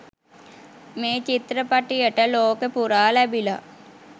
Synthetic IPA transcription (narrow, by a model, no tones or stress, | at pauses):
meːt͡ʃit̪ɾəpaʈijəʈəloːkəpuɾaːlɛbila̰